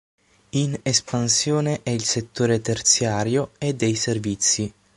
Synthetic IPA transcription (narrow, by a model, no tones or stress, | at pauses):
inespansjoːneʔɛilset̪ːoːɾet̪ert̪sjaːɾjoed̪ːɛjservit̪sːi